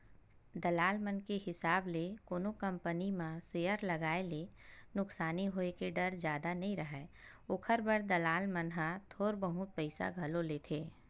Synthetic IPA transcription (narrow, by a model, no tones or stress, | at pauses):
d̪ɐlaːlmənkeɦɪsaːblekoːnokɐ̃mpənimãseːəɾlɐɡaːelenʊksaːniɦoːekeɖɐɾd͡ʒjaːd̪anɐɦĩɾɐɦɛː | ʊkʰəɾbəɾd̪ɐlaːlmənɦãt̪ʰoːɾbəɦʊt̪̚pəɪsa̰ɡʱɐloleːt̪ʰeː